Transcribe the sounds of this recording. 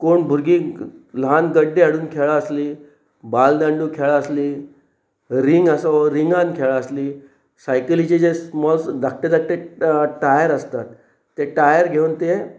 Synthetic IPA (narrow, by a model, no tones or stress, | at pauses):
koɳbʱuɾɡilanɡəɖːeaɽuːnkʰeɭaːsliː | bald̪ãɳɖuːkʰeɭaːsliː | ɾiŋɡəsaɾiŋɡãnkʰeɭaəsliː | sajkəlid͡ʑid͡ʑesmɔlsd̪ʱak̚ʈed̪ak̚ʈeʈajəɾəst̪at̪ː | eʈajəɾɡʱeunt̪e